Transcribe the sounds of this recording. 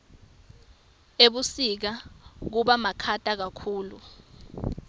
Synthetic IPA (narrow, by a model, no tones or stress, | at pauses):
eɓusik̬ak̬uɓamakʰatʼak̬akʰuːlu